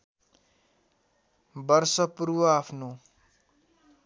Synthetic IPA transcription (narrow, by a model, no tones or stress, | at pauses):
bʌrsʌpuɾwʌapʰno